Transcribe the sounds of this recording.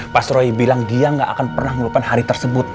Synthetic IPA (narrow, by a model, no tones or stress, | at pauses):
pasɾoibilaŋdiaŋɡaʔakanpərnahŋəuupanhaɾit̪ərsəbʊt̪̚